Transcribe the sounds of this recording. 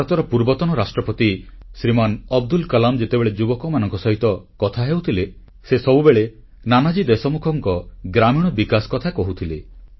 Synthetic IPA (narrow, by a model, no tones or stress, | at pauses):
ɾɔt̪ɔɾɔpuɾbɔt̪ɔnɔɾasʈɾɔpɔt̪isɾimanɔb̚d̪ulkɔlamd͡ʒet̪ebeɭed͡ʒubɔkɔmanɔŋkɔsɔɦit̪ɔkɔt̪ʰaɦewt̪ʰile | sesɔbubeɭe | nanad͡ʒid̪esɔmukʰɔŋkɔɡɾamiɽ̃ɔbikasɔ̥kɔt̪ʰakɔɦut̪ʰile